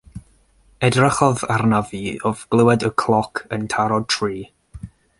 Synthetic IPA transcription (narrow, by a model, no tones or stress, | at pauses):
ɛdraχɔðarnaviɔvɡ̥lˠəwɛdəkʰlˠɔkʰəntʰaɾɔd̚tʰriː